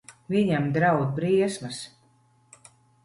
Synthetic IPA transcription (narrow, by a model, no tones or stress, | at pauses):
vʲiɲamd̪ɾawd̪̚bɾiɛsmas